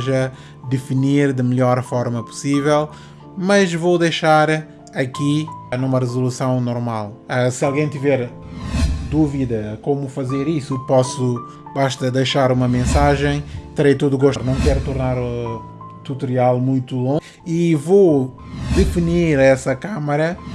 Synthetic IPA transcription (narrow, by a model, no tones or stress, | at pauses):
ʒɐ | d̪ɨfiniɾd̪ɨmɨʎɔɾfɔɾmɐpu̥sivɛlˠ | mɐʒvowd̪ɐjʃaɾ | ɐkinumɐʁɨzulˠusɐ̃w̃nɔɾmalˠasɨalˠɣɐ̃j̃t̪ivɛɾ | d̪uviðɐkomufɐzeɾisupɔsu | baʃt̪ɐd̪ɐjʃaɾumɐmẽsaʒẽj̃t̪ɨɾejt̪oðuɣoʃɾnɐ̃w̃kɛɾut̪uɾnaɾu | t̪ut̪uɾialˠmũj̃t̪ulˠõ | ivo | d̪ɨfiniɾɛsɐkamɐɾɐ